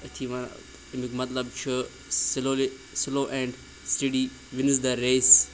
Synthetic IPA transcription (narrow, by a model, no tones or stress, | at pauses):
ət̪ʰiʋan̰ | mikmɐt̪lɐb̚t͡ʃʰɨ | sɪloːle | sɪloːʔɛ̃ːɳɖ | sʈiɖi | ʋɪns̬d̪ɐɾeːs